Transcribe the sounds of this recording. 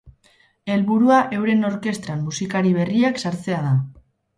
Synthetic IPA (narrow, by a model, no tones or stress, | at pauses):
e̞lβuɾuaʔe̞wɾe̞no̞ɾke̞st̪ɾamːusikaɾiβ̞e̞riaksaɾt͡se̞að̞a